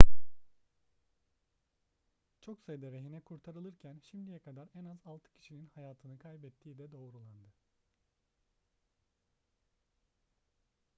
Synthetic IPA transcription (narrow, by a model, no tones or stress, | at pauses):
t͡ʃʰo̞ksajɯd̪aɾeɦinɛkʰuɾt̪ʰaɾɯlˠɯɾcʰænʃimd̪ijɛkʰad̪aɾɛnazalˠt̪ʰɯ̥cʰi̥ʃininhajaːt̪ʰɯnɯkʰajbɛt̪ʰːiːd̪ɛd̪o̞ːɾulˠand̪ɯ